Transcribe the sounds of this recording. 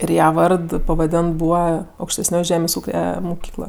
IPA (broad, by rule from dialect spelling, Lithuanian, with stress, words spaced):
ɪr ˈjɛ ˈʋɐrt pɐʋɐˈdʲeːnt ˈbuːʋɐ ɐʊkʃʲtʲɛsʲˈnʲoːj ˈʒʲæːmʲeːsʲ ˈuːkʲɛ mʊˈkʲiːklˠɐ